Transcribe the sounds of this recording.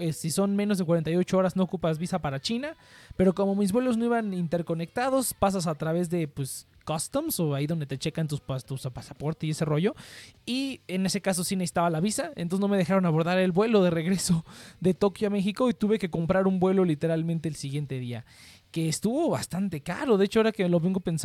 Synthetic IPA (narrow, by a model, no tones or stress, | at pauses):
esiso̞nmeno̞zðekwaɾent̪ajo̞t͡ʃoo̞ɾazno̞okupazβisapaɾat͡ʃinape̞ɾo̞ko̞mo̞mizβwe̞lo̞zno̞iβanint̪e̞ɾko̞ne̞k̚t̪að̞o̞spas̬as̬at̪ɾaβe̞zðe̞pwes | kast̪omso̞aiðo̞nd̪e̞t̪e̞t͡ʃe̞kant̪uast̪usapasapo̞ɾt̪esie̞se̞ro̞ʝo̞iene̞sekas̬o̞sines̬i̥t̪aβalaβisaḛnosno̞meðe̞xaɾo̞naβo̞ɾðaɾe̞lβwe̞lo̞ðe̞re̞ɣɾe̞so̞ðe̞t̪o̞kjoame̞xiko̞it̪uβe̞ke̞ko̞mpɾaɾumbwe̞lo̞lit̪e̞ɾalmẽnt̪e̞ːlsiɣje̞nt̪e̞ðia̰ | ke̞ːst̪uβo̞βast̪ant̪e̞ka̰ɾo̞ðe̞et͡ʃoe̞ɾakeloβeŋɡo̞pe̞ns